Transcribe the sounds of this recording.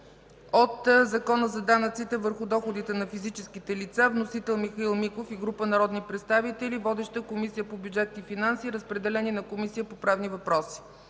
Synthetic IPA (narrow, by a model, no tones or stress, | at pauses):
ot̪zɐkɔnəzɐd̪anət̪sit̪ɛvəɾxʊd̪ɔxod̪it̪ɛnɐfizit͡ʃɛskit̪ɛlit̪savnosit̪ɛlˠmixɐilˠmikofiɡɾupənɐɾɔd̪nipɾɛt̪st̪avit̪ɛlivɔd̪ɛʃt̪əkomisijəpobjud͡ʒɛt̪̚nifinansiɾəspɾɛd̪ɛlɛninɐkomisijəpopɾavnivɐpɾɔsi̥